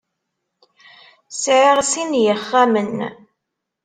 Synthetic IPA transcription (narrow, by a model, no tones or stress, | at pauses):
sʕɪʁsinjəχːæmən